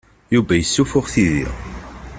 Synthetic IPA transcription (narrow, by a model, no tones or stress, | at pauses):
juvæjəsːufʊʁθiðḭʁ